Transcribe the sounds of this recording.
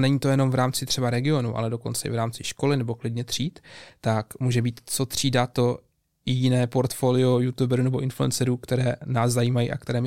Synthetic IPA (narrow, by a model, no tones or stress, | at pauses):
nɛɲiːt̪o̞jɛno̞mvɾaːmt͡sɪt̪r̥ɛbaɾɛɡɪo̞nuʔa̰lɛdo̞ko̞nt͡sɛʔɪ̰vɾaːmt͡sɪʃko̞lɪnɛbo̞klɪdɲɛt̪r̝̥iːt̪ːakmuːʒɛbiːt̪t͡so̞t̪r̥iːdat̪o̞ | jjɪnɛːpo̞ɾt̪fo̞ːlɪo̞jut̪ubɛɾunɛbo̞ʔɪnfluɛ̰nt͡sɛɾuːkt̪ɛɾɛːnaːszajiːmajḭʔa̰k̚t̪ɛɾɛːm